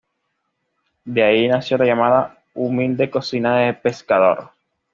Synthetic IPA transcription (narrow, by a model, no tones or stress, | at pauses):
d̪eainasjolaʝamaða | umild̪e̞ko̞sinaðepe̞skaðo̞̰ɾ